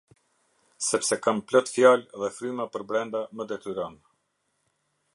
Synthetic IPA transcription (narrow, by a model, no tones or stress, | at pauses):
sɛpsɛkamplɔt̪fjalɛðɛfɾymapəɾbɾɛnd̪aməd̪ɛt̪yɾɔn